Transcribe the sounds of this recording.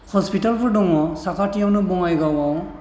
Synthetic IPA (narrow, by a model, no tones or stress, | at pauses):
hɔspitalpɔɹdɔŋɔsakatijawnɔbɔŋajɡawaw